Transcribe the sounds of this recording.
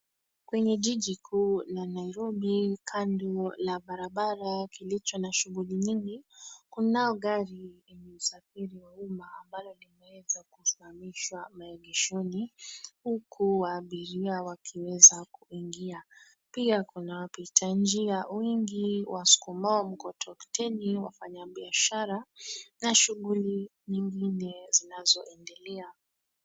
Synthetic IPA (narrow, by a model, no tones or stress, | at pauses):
kwɛɲɛʄiʄikʰuːlanaiɾɔɓikʰandɔlaɓaɾaɓaɾakilit͡ʃɔnaʃuɣuliɲiŋɡikunaɔɡaɾiimɛusafiɾiwaumaːmbalɔlimɛwɛzakusimamiʃwamaɛɡɛʃɔnihukʰuwaːɓiɾiawakʰiwɛzakuiŋɡia | piakunawapitʰaɲd͡ʒiawiŋɡiwasu̥kumaɔm̩kɔtʰɔktɛniwa̰faɲaɓiaʃaɾanaʃuɣuliɲiŋɡinɛzinazɔʔɛndɛlɛa